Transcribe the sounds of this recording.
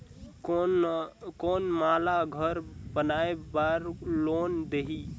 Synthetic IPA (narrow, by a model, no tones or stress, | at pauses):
koːnmaːlaɡʱəɾbənaebaɾloːnd̪eɦi